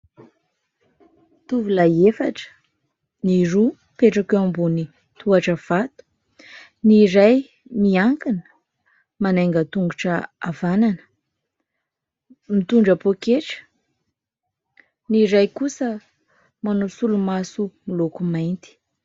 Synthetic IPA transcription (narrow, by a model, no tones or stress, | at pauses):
t̪uvulaefaʈ͡ʂə̥ | niɾu | peʈ͡ʂakeambuni | t̪ʰuaʈ͡ʂəv̥at̪u̥ | niɾaj | miaŋkinə̥ | manajŋɡət̪uŋɡuʈ͡ʂəa̰vananə̥ | mit̪uɳɖ͡ʐapokeʈ͡ʂə̥ | niɾajkusə | manosulumasumilokumajnt̪i̥